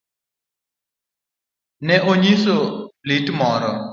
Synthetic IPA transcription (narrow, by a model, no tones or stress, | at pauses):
nɛʔoɲisoliʈmɔɾɔ